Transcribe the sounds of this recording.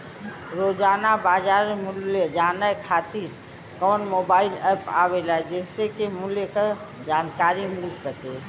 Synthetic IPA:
ɾoːd͡ʒaːnabaːd͡ʒaːɾmʊljed͡ʒaːnəjkʰaːt̪iɾ | kɔːnmobaːɪlɛpa̰welaɛd͡ʒɛːsekemʊljeka | d͡ʒaːnkaːɾimɪlsəke

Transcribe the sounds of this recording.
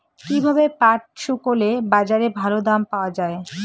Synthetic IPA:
kibʱabepaʈ̚ʃukolebad͡ʑaɾebʱalod̪ampaoad͡ʑae

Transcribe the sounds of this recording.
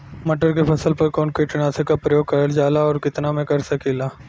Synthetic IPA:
mɐʈəɾkepʰɐsəlpɐɾkɔːnkoit͡ʃʊnaːsekapɾɐjoːɡ̚kɐɾld͡ʒaːlaɔːɾkɪt̪namẽkɐɾsɐkeːlaː

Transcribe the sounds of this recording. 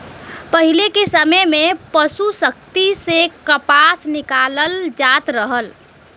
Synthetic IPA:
pəɦilekesəməjmepəsusəkt̪isekəpasnɪkaləld͡ʒat̪ɾəɦəl

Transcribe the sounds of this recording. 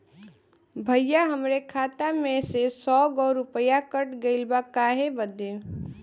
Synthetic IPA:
bʱəjːaɦəmɾekʰaːt̪amẽsesɔːɡɔːɾʊpəjakəʈɡəɪlbakaɦebəd̪e

